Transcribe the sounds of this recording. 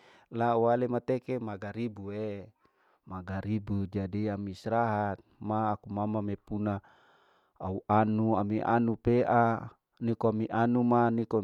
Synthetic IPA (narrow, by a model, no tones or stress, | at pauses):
lawalemat̪ekemaɡaɾibue | maɡaɾibud͡ʒadiamisɾaɦat̪̚maːkumamamepuna | auʔanuamiʔa̰nupeʔa | nikoamiʔanumaniko